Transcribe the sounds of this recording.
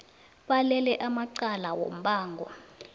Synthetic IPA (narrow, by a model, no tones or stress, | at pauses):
ɓalɛlɛʔamaǀalawo̰m̩ɓaːŋɡʱɔ̰